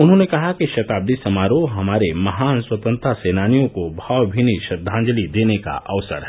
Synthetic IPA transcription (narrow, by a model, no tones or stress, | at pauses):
ʊnɦõnekɐɦakiʃɐt̪aːb̚d̪isɐmaːɾoɦɐmaːɾemɐɦaːnswət̪ə̃nt̪ɾaseːnaːnijõkobʱaːwbʱiniʃɐd̪ʱːãːɲd͡ʒəlid̪eːneka̰ʔɐ̰ʋsə̰ɾɦɛ